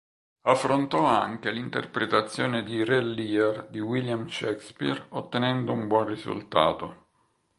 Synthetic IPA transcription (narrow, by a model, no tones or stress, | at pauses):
afːɾont̪ɔaŋk̟elint̪ḛrpɾet̪at̪sːjoːned̪irelːiard̪iwiljamʃɛkspḭrot̪ːenɛnd̪oumbwɔnrizṵlt̪a̰ːt̪o